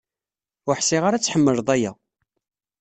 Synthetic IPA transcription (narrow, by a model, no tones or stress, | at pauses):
ʊħsɪʁaɾat͡sːħəmːəɾðˤæjæ